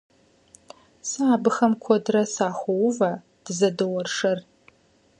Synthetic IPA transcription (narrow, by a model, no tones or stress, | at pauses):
saːbɨxɐmkʷʰɔdrɐsaːxʷɔwʊvɐ | d̥ɨzɐdɨwɔrʂɐr